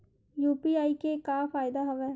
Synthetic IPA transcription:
juːpiːaːikekaːfaːɪd̪aɦəʋɛː

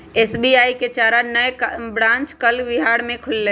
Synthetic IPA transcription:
eːsbiaːiket͡ʃaːɾanəjbɾãːnt͡ʃkəlʋɪɦaːɽmẽkʰʊlːe

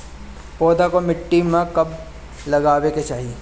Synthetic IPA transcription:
pɔːd̪akomɪʈːimãkɐb | lɐɡaːʋeket͡ʃaːɦie

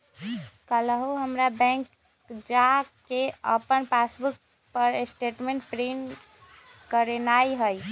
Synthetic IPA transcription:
kələɦuɦəmɾabɛ̃ŋk | d͡ʒakeəpənpasbuk̚ | pəɾesʈeʈmẽɳʈ̚pɾin | kəɾenajɦəj

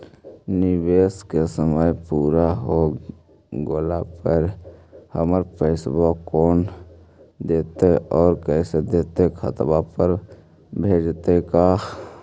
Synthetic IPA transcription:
nɪweːskesəməjpuːɾaɦo | ɡolapəɾhəməɾpəːsbokɔːn | d̪eːt̪eʔɔːɾkɛːsed̪eːt̪ekʰət̪bapəɾ | bʱeːd͡ʒt̪ekaː

